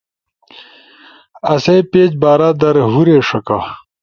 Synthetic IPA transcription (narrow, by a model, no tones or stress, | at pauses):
ɐsepeːd͡ʑbaːɾad̪ɐɾɦuɾeːʂɐka